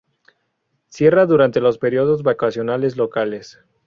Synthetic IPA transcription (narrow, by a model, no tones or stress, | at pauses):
sje̞raðuɾant̪e̞lo̞spe̞ɾjo̞ðo̞zβakasjo̞nale̞zlo̞kale̞s